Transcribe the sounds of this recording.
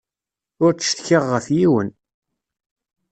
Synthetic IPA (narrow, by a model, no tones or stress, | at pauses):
ʊɾt͡sə̥ʃt̪çiʁːəfjiwən